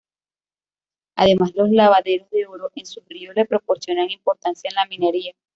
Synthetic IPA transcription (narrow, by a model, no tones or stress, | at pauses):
a̰ðe̞mazðelo̞slaβaðe̞ɾo̞zðe̞o̞ɾoʔe̞nsuhriosle̞pɾo̞po̞ɾsjo̞naŋimpo̞ɾt̪ansjaenlamine̞ɾia